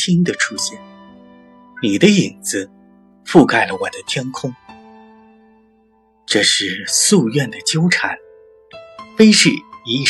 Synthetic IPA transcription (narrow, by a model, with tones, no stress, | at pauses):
tʰi˥ŋd̪ə˨ʈ͡ʂʰu˥ɕjɛ˥˩n | ni˨˩d̪ə˦i˨˩nd͡zɹ̩˦ | fu˥˧ka˥˩ɪlə˦wɔ˨˩d̪ə˦t̪ʰjɛ˥nkʰʊ˥ŋ | ʈ͡ʂɤ˥˧ʂɻ̩˥˩su˥˧ɥɛ˥˩nd̪ə˩t͡ɕjo˥ʊʈ͡ʂʰa˨˩˦n | fe˥ɪʂɻ̩˥˩i˧˥